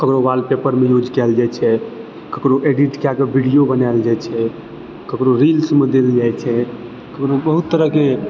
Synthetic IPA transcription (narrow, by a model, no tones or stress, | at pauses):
kəkɾobalpepəɾmejud͡ʒkɛld͡ʒajt͡ʃʰɛ | kəkɾoʔeɖiʈkeaɡebʱiɽijobənald͡ʒajt͡ʃʰɛ | kəkɾoɾilsmed̪eld͡ʒajt͡ʃʰɛ | kəkɾobəɦut̪ːəɾəɦke